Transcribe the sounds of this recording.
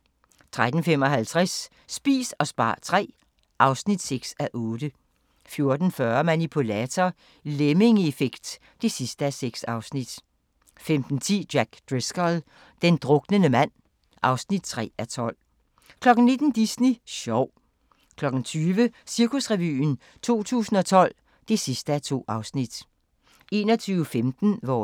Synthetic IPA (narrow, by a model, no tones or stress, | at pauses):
t͡sʰʁad̥n̩fem̰ɒ̽ɦælt͡sʰʁɛsː | b̥ḭːsɒ̽sb̥ɑ̰̈ːt͡sʰʁɛ̰ː | ʔɑ̈ʊsnid̥seɡ̥sæʔɔ̽ːd̥ə | fjo̝ɐd̥n̩fɶɐmænipʰulɛt͡sʰɒ | leme̝ŋefeɡ̥d̥ː | e̝sisd̥əæseɡ̥sɑ̈ʊsnid̥ | femd̥n̩t͡sʰḭːd̥jæɡ̥d̥ʁesɡ̥ɒl | d̥end̥ʁɔ̽ɡ̥nənəmæn̰ | ʔɑ̈ʊsnid̥̚t͡sʰʁɛ̰ːæt͡sʰɒ̽l̰ | kʰlɒ̽ɡ̥n̩ne̝d̥n̩d̥isniɕɒʊ̰ | kʰlɒ̽ɡ̥n̩t͡sʰyːʋəsiɐkusʁɛʋy̰ːn | t͡sʰo̝̰ːt͡sʰṵːsn̩ɒ̽t͡sʰɒ̽l̰ | d̥e̝sisd̥əæt͡sʰo̝̰ːɑ̈ʊsnid̥ | e̝̰ːnɒt͡sʰyːʊəfemd̥n̩ʋɒ